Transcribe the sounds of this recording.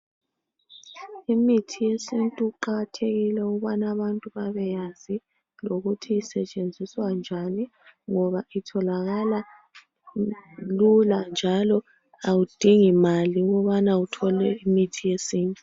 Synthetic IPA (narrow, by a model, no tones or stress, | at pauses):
imitʰijesintʼuǃaɣatʰeɣilɛuɣuβanaβantʼuβaβɛjazi | loɣutʰiːsɛt͡ʃʼend͡zʱiswand͡ʒʱaniŋɔβaʔitʰɔlaɣala | luland͡ʒʱalɔ | awud̥ʱiŋimaliuɣɔβanautʰɔlɛimitʰijesiːntʼu